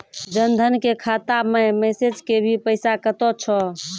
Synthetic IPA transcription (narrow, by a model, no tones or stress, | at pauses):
d͡ʒənd̪ʱənkekʰat̪amemesed͡ʒkebʱipəɪsakət̪ɔt͡ʃʰɔ